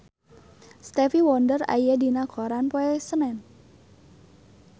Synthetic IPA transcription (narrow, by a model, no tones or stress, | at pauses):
st̪ɛfiwɔndəra̰jadinakʰɔɾanpoesənɛn